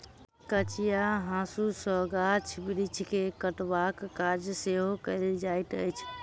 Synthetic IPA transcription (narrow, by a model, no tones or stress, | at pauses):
kət͡ʃijaɦãsusəɡat͡ʃʰbɾit͡ʃʰkekəʈbakːad͡ʒseɦokəɪld͡ʒajt̪ə̰jt͡ʃʰ